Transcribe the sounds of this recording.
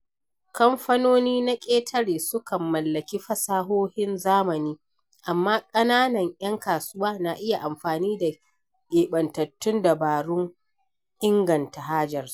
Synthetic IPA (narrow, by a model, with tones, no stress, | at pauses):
kɐ˦mɸɐ˦noː˦niː˦na˦kʲʼeː˦tʰɐ˦ɽeː˨sʊ˦kɐ˨mːɐ˨lːɐ˨kʲi˦ɸɐ˦saː˦ɦoː˦hɪ˦nzaː˦mɐ˨niː˦ | ʔa˨mːaː˦kʼɐ˦naː˦nɐ˨ŋj̰ɐ˦ŋkaː˨sʊ˦waː˦na˨ʔɪ˦ja˨ʔa˨mɸaː˨niː˦da˨ | ʔeː˨ɓɐ˨ntɐ˨tːʊ˦nda˨baː˨ɽʊ˦ŋ | ʔɪ˦ŋɡɐ˨nta˨ɦaː˦d͡ʒɐ˨r